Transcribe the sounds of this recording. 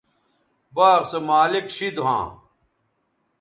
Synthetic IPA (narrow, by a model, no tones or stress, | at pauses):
baːʁsɐmaːlikɕid̪uɦã̰ː